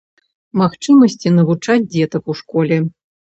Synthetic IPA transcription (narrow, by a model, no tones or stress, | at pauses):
maxt͡ʂɨmɐsʲt͡sʲinɐvut͡ʂad͡zʲd͡zʲɛt̪ɐkuʂkɔlʲɛ